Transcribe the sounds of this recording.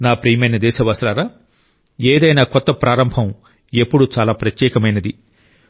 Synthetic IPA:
naːpɾijmɐnɐd̪ɛːsɐʋaːsɾaːɾaː | eːd̪ɐjnaːkɔt̪ːɐpɾʔaːɾɐmbʱɐm | e̞pːuɽut͡ʃaːlaːpɾɐt̪jɛːkɐmɐjnɐd̪i

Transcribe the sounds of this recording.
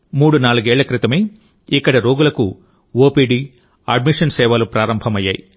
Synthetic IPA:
muːɽunaːluɡɛːɭːɐkɾit̪ɐmeː | ikːɐɽɐɾo̞ːɡulɐku | oːpiːɖiː | ɐɖmiʂɐnsɛːʋalupɾaːɾɐmbʱɐmɐjːa̰ːji

